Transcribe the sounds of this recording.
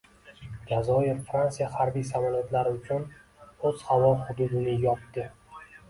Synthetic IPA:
d͡ʒazɒjɪɾfɾansijahaɾbijsamɒlat̪ʰlaɾɪʊt͡ʃʰʊn | ɵz̥havɒhʊd̪ud̪ɪnɪjɒt̪d̪ɪ

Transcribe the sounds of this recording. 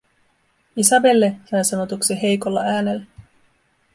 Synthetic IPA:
isɑbe̞lːehæsɑno̞t̪uksiɦe̞jkolːɑʔæːnelː

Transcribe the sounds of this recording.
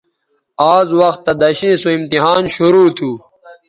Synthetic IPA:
aːzwɐxt̪ːɐd̪ɐɕĩːsuimt̪iɦaːnɕuɾuːt̪ʰuː

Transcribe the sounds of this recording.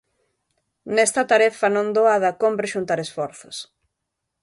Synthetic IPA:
nɛst̪ɐt̪aɾɛfɐnõnd̪oaðɐkompɾeʃunt̪aɾesfɔɾθʊs

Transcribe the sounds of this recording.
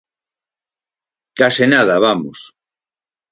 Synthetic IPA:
kasenaðaβamo̰s

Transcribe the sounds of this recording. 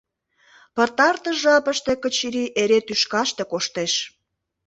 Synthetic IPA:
pə̆rt̪ɑrt̪ə̆ʒɑpəʃt̪ekət͡ɕiɾiʔeɾet̪yʃkɑʃt̪ekoʃt̪eʃ

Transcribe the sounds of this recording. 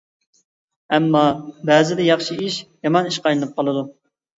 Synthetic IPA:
ɛmːɑbæzɪd̪ɛjɑχʃiiʃjɑmɑniʃqʰɑjlɨnɨp̚qʰɑlˠɨd̪u

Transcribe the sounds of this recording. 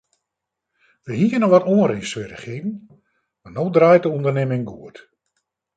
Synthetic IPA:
ʋəhiənɔʋɔtoənrisʋɪrə̰xivn̩ | manoːdraːjtəundərnemɪŋɡuət

